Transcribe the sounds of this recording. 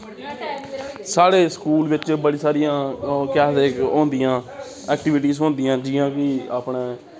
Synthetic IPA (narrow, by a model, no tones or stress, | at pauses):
saːɽeːsə̥kuːlʋɪt͡ʃbəɽiːsaːɾɪjãːkɛːteːkɦõːnd̪ijãː | ɛːk̚ʈɪʋɪʈiːzɦõːnd̪ijãːd͡ʒɪːãːkɪaːpɳeː